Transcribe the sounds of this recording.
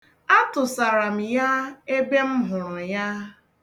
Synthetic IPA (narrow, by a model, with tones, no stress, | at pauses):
a˦tʊ˨sa˨ɾa˨m̩˨ja˦e˦ɡ͡be˦m̩˦ɦʊ˨ɾʊ˨ja˦